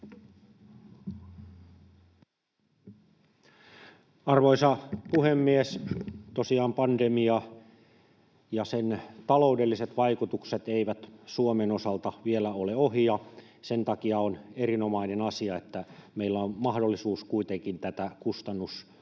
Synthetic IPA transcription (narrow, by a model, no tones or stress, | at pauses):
ɑrʋoisɑpuhemːiest̪osiɑːmpɑndemiɑ | jɑsent̪ɑloudelːiset̪ʋɑikut̪ukset̪eiʋæt̪suomenosɑlt̪ɑʋielæoleoɦijɑ | sent̪ɑkiɑoneɾinomɑinenɑsiɑet̪ːæmeilːæommɑhdolːisuːskuit̪eŋkint̪æt̪ækust̪ɑnːus